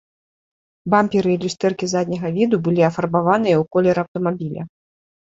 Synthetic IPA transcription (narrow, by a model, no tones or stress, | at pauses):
bampʲiɾɨːlʲust̪ɛrkʲizad̪ʲnʲɐɣɐvʲid̪ubɨlʲiɐfɐrbavanɨjɐwkɔlʲɛɾɐwt̪ɐmabʲilʲɐ̰